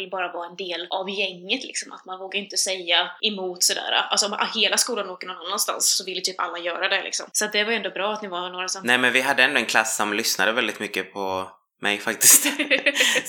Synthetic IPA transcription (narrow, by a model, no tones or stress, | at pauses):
lbɑːɾavɑːɛnd̪eːlʔavjɛŋːət̪lɪ̰ksɔmʔa̰t̪manvoːɡaɾɪnt̪əsɛjːaʔɛmuːt̪sɔd̪æ̰ːɾa̰ʔa̰lsɔma̰heːlaskuːlanoːkəɳɔnːanːanst̪a̰nsːɔvɪlːt̪ʰyːpa̰lːajœːɾad̪ɛlɪ̰ksɔ̰msɔat̪̚d̪ɛvaɾɛnd̪ɔbɾɑːat̪nɪvanoːɾasɔmnɛːmɛnvɪɦad̪ːəɛnd̪ɔɛnkʰlasːɔmlʏsna̰d̪əvɛld̪ɪt̪mʏkːəpʰɔ | mʔɛ̰jfakt̪ɪst̪